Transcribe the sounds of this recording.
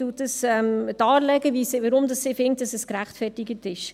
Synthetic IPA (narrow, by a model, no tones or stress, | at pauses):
utdəsɛmtɑːɾlɛɡəvisɪvəɾʊmdɑsːɪfɪŋt̚d̥ɑsəskɾæχtfɛrtɪɡətɪʃ